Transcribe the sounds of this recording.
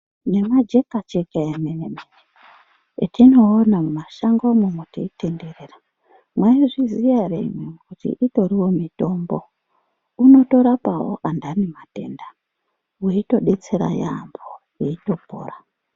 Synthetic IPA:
ne̞mad͡ʒe̞kat͡ʃekaemenemene | tʰino̞ːnamumaʃaŋɡomumotiitenderera | mwaiʐizijaɾḛmekutḭʔito̞ɾiwo̞mito̞mbo̞ | uno̞to̞ɾapawo̰ʔandanimate̞̰nda | wiito̞ɗe̞t͡seɾa̰ja̰mbo | jeito̞po̰ːra

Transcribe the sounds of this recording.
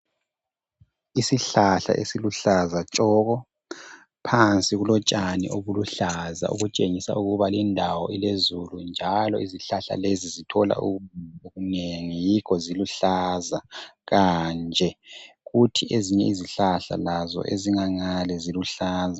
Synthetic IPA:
isiɬaɬa̰ʔesiluɬazat͡ʃʼɔɣɔ | pʰant͡sʼiɣulɔt͡ʃʼanḭʔoβuluɬaza̰ʔṵɣut͡ʃʼeŋisa̰uɣuβalindʱawɔilezulund͡ʒʱalɔiziɬaɬa̰lezizitʰɔla̰ṵɣuumoɣuneŋijikʰɔziluɬaːzaɣand͡ʒʱɛ | ɣutʰiʔeziɲɛiziɬaɬa̰lazɔ̰ʔeziŋaŋalɛziluɬaːza

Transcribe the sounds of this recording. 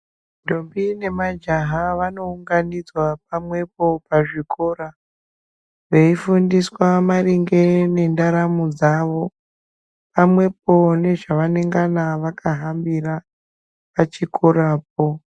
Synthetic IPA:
dʱombine̞mad͡ʒaɦaʋano̞uŋɡanid͡zwap̚amwe̞p̚o̞paʐikʰo̞ːɾa | ʋe̞ifundiswamaɾiŋɡe̞ne̞ndaɾamud͡zaʋo̞ | pamwe̞p̚o̞ne̞ʐaʋane̞ŋɡanaʋakaɦambiɾa | pat͡ʃikʰoɾaːp̚o

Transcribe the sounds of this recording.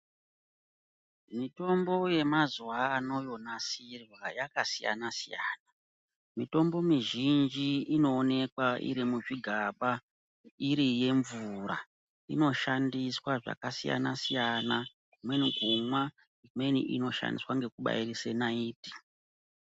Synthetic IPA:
mito̞mbo̞je̞mazuwaːno̞jo̞nasirwajakasija̰nasijaːna | mito̞mbo̞miʒind͡ʒiːno̞ːne̞kwaʔḭɾimuʐiɡʱaɓa | iɾije̞ɱvuɾa̰ | ino̞ʃandiswaʐa̰kasija̰nasijana | kumwe̞niɡʱumwa | mwe̞nḭʔino̞ʃa̰ndiswaŋɡe̞kuɓa̰irisenaiːti̥

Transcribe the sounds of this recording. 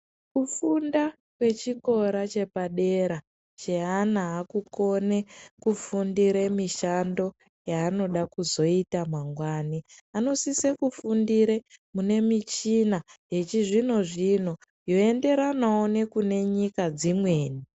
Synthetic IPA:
kufunda | kwe̞t͡ʃiko̞ɾat͡ʃe̞paɗe̞ɾa | t͡ʃeanaːkuko̞ne̞kufundiɾemiʃando̞ | jaːno̞ɗakuzo̞itamaŋɡwaːniano̞sisekufundiɾemune̞mit͡ʃinaje̞t͡ʃiʐino̞ʐino̞ | jo̞e̞nde̞ɾanaone̞kune̞ɲikad͡zimwe̞ːni

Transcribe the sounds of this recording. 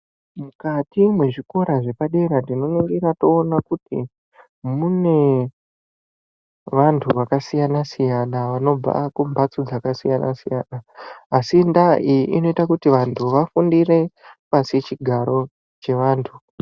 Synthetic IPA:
mukatimwe̞ʐiko̞ɾaʐe̞paɗe̞ɾandino̞neŋɡeɾato̞ːnakutḭ | mune̞ | ʋantʰuʋakasijanasijanaʋano̞b͡va̰kumbʱat͡sod͡zakasijana̰sija̰ːnaːsindaiḭno̞itakutiʋantʰuʋafundire̞paset͡ʃiɡʱaɾo̞ | t͡ʃe̞ʋaːntʰu

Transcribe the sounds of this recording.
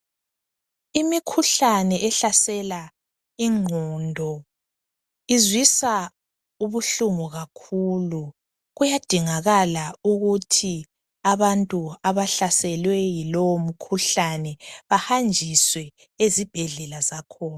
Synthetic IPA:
imikʰuɬanɛʔɛɬasɛla | iŋʱɔːndʱɔ | izwisa | uβuɬuŋuɣakʰulu | ɣujad̥ʱiŋaɣalauɣutʰi | aβantʼuaβaɬasɛlwɛjilowom̩kʰuɬanɛβahand͡ʒʱiswɛ | ezib̥ʱɛɮɛlazakʰɔːna

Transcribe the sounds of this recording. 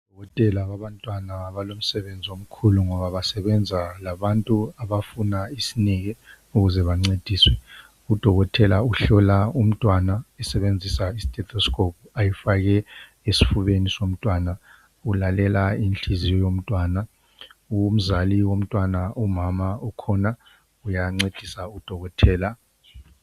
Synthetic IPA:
u̥d̥ʱɔɣɔtʼɛlaβaβantʼwanaβalom̩sɛβend͡zʱiom̩kʰuluŋɔβaβasɛβɛnd͡zʱalaβantʼuaβafunaisiniɣɛ | uɣuzɛβaŋ͡ǀed̥ʱiːswɛ | ud̥ʱɔɣɔtʰɛlauɬɔlaum̩tʼwanaɛsɛβend͡zʱisaisi̥tʼɛtʰɔskʰʼop̚ʰuajifaɣɛ | esi̥fuβenisom̩tʼwana | ulalɛlainɬʰʼizijɔjom̩tʼwaːna | um̩zaliwom̩tʼwanaumamaukʰɔna | ujaŋ͡ǀed̥ʱisaud̥ʱɔɣɔtʰɛːla

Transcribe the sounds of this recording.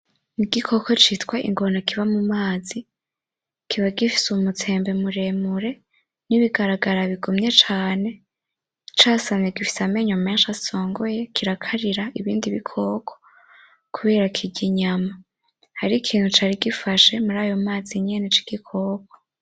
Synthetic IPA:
niɡikʰo̞kʰo̞t͡ʃitkwaʔḭŋɡo̞nakiβamumaːzi | kʰiβaɡifi̥sumut͡se̞ːmbe̞muɾe̞muɾe̞ | niβiɡaɾaɡaɾaβiɡumɲe̞t͡ʃaːne̞ | t͡ʃaːsameɡifi̥same̞ɲome̞ːnʃaso̞ːŋɡoje̞kʰiɾakʰaɾiɾaiβiːndiβikʰo̞ːkʰo | kʰuβe̞ːɾakʰiɟiɲama | haɾikʰiːn̥hut͡ʃaːɾiɡifaʃe̞muɾaːjo̞maːziɲenet͡ʃi̥ɡ̥ikʰo̞ːkʰo̥

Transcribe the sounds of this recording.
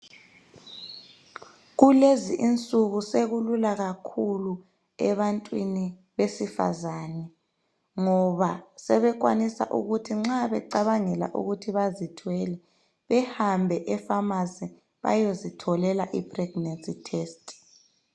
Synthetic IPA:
ɣuleziʔint͡sʼuɣuseɣululaɣakʰulu | ɛ̰βantʼwini | βesifa̰zanɛ | ŋɔβasɛβɛk̬wanisa̰ʔṵɣutʰiŋ͡ǁaβɛǃaβaŋɛla̰ʔṵɣutʰiβazitʰwɛlɛ | βɛhambʱɛʔɛfamazi | βa̰jozitʰɔlɛlaʔipʰrɛɡ̥nansitʰeːstʼ

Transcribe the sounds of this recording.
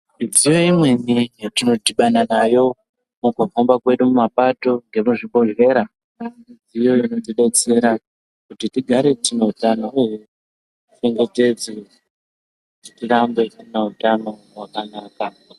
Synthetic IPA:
id͡zijo̞imwe̞nijtino̞tiɓananajo̞ | mukufombakwe̞ɗumumapato̞ŋɡe̞muʐibo̞ʐe̞ɾa | mid͡zijo̞inodiɗe̞t͡se̞ɾa | kutitiɡʱaɾe̞tineutanouɦu | t͡ʃe̞ŋɡe̞te̞d͡ze | kutitirambe̞tineutano̞ɦwakanaːka

